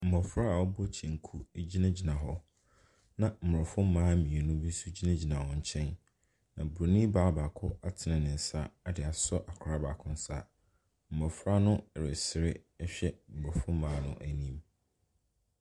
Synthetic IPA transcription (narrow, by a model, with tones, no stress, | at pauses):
m̩˨mɔ˨fɾa˦a˨wɔ˦bɔ˦t͡ɕʰɛ̃˨ŋ̩˨kʰu˦d͡ʑi˦nã˦d͡ʑi˨nã˨ɦɔ˦ | nã˨m̩˨ɾɔ˨fʊ̃˦m̩˦mãː˦mĩ˨e˨nʊ̃˦bi˦su˦d͡ʑi˦nã˦d͡ʑi˨nã˨hɔ̃˨ɲ̩˨t͡ɕʰɛ̃˦n | nã˨bo˨nĩ˦baː˦ba˨kʰʊ˦a˦tʰɪ˨nɪ̃˨nɪ̃˨n̩˨sa˦ɛ˦dɪ˨a˨sɔ˦ʔa˨kʰɾa˦ba˨kʰʊ̃˦n̩˦sa˦˨ | m̩˨bɔ˨fɾa˦nʊ̃˦ɛ˨ɾɪ˨sɪ˦ɾɪ˦ɛ˦ɕᶣɛ˦m̩˨bɔ˨fʊ̃˦m̩˦mãː˦nʊ̰̃˦ʔæ˨nĩ˦m